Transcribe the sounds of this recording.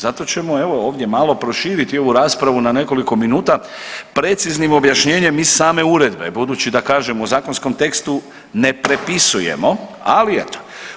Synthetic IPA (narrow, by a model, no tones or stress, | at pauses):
zat̪o̞t͡ɕe̞mo̞e̞ʋo̞o̞ːʋd̪je̞malo̞pɾo̞ʃiːɾit̪io̞ʋuɾaːspɾaʋunane̞ko̞liko̞minuːt̪apɾe̞t̪siznimo̞bjaʃɲe̞ːɲe̞misaːme̞uɾe̞d̪be̞̰bud̪uːt͡ɕid̪akaːʒemouzaːkonsko̞mt̪e̞kst̪u | ne̞pɾe̞pisuje̞̰mo̞a̰liet̪o̥